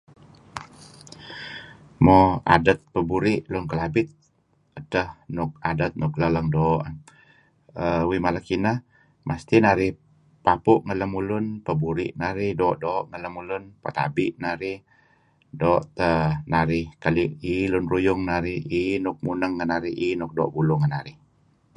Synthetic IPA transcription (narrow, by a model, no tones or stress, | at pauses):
mɔa̰dət̪̚pəbuɾɪʔlʊnkəlabɪt̪̚ | ətəhnʊk̚adət̪̚nʊk̚lələŋdoːʔ | əwimalakinəh | mʔast̪inaɾɪh | papʊʔŋələmulʊnpəbuɾɪ̰ʔnaɾɪhdoːʔdoːʔŋələmulʊnpat̪a̰bɪʔnaɾɪh | doːʔt̪ənaɾɪhkaliʔilʊnrujʊŋnaɾɪhinʊk̚munəŋːənaɾɪɦinʊk̚dɔ̰ːʔbulʊŋənaɾɪh